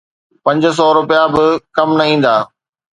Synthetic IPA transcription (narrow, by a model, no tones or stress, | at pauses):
pɐ̃ɲd͡ʑs̬ɔːɾʊpijabɪkɐmnɐĩːn̆d̪aː